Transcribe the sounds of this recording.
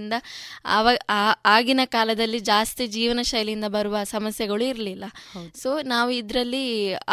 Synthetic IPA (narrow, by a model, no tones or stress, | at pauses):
nd̪ɐʋɐaːɡinɐkaːlɐd̪ɐlːid͡ʒaːst̪id͡ʒiːʋɐnɐʃɐjɐlind̪ɐbɐɾuʋɐsɐmɐsjɐɡɐɭuiɾlilːɐso̞ːnaːʋuid̪ɾɐlːi